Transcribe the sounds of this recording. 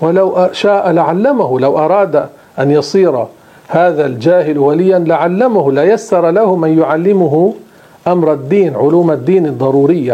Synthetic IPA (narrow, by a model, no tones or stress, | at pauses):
walawʔʃaːʔlaʕalːamahʊlawʔɑɾˤɑːd̪ | ʔanjɑsˤiːɾˤ | haːðald͡ʒaːɦɪlwalɪjːanlɪʕalːamahʊlajasːɑɾˤɑlahʊmanjʊʕalːɪmʊɦʊ | ʔamɾˤad̪ːiːnʕʊluːmad̪ːiːnɨd̪ˤːɑɾˤuːɾɪjːa